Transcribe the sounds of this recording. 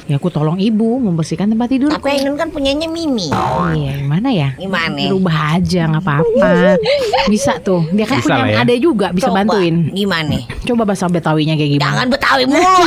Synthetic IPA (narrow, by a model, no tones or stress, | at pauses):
jakut̪ɔlɔŋibuməmbərsikant̪əmpat̪ːidʊrapaainʊnkanpuɲaɲamimiijaɡimanajaimanaəɾubaɦad͡ʒaŋapaːpa | misaʔt̪ʊdiakanpuaadad͡ʒuɡabisabant̪uɪnɡimana | t͡ʃobabasaŋbət̪awiɲakajɡimaŋanbət̪awimu